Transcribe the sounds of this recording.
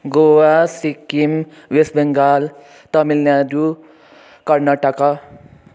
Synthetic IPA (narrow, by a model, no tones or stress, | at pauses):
ɡowasikːim | ʋesbeŋɡaːl | t̪ʌmilnad̪u | kʌɾnaʈaka